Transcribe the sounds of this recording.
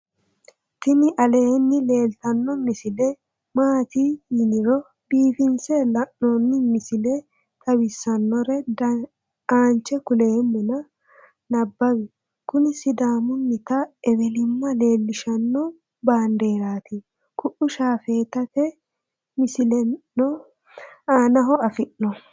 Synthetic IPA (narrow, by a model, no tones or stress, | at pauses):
t̪ɪnɪʔɐle̞ːnːɪle̞ːlt̪ɐnːɔmɪsɪlɛ | maːt̪ijɪnɪɾɔ | biːfɪnsɛlɐʔːonːɪmɪsɪlɛ | t̪ʼɐwɪsːɐnːɔɾɛd | aːnt͡ʃːɛkʊle̞ːmːʊnɐ | nɐbːɐbɪ | kʊnɪsɪd̪aːmʊnːɪt̪ɐɛbɛlɪmːɐle̞ːlːɪʃɐnːɔ | baːnd̪eːɾaːt̪ɪ | kʰʊʔʊʃaːfeːt̪ɐt̪ɛ | mɪsɪlɛnːɔ | aːnɐɦɔɐfɪʔːɔ